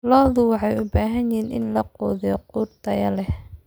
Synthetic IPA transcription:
lɔːðʊwɑħɑjʊbaːɦɐnɪɦiːnʔɪnlɐqɔːðɪjɔquːrt̪ʰɐjɐlɛ

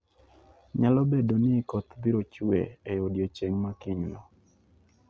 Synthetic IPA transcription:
ɲalɔbedonɪkɔt̪biɾot͡ʃuḛejodjot͡ʃeŋmakɪɲlɔ

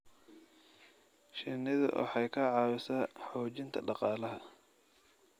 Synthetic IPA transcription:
ʃɪnɪðɐ̰ʔɔ̰ħɑjkʰɐʕɑːwɪsɐːħɔːt͡ʃɪnt̪ʰɐ̰ɖɑqɑːlɐɦɐ

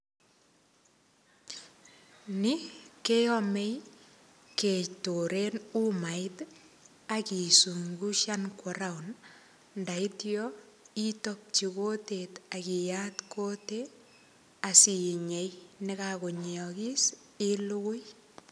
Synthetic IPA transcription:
nikeɔmej | ketoɾenumaɪt | akisuŋɡuʃankɔɾawn | ndaitjɔ | itop̚t͡ʃikotetakijatkʰote | asiɲejnekakoɲeɔkis | iluɣʊj

